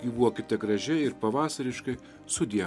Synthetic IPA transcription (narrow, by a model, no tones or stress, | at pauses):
jiːbuʋoːkʲɪt̪ʲɛɡɾɐʒʲɛɪɾpɐʋɑːsɐɾʲɪʃkɐɪ | sʊd̪ʲiɛ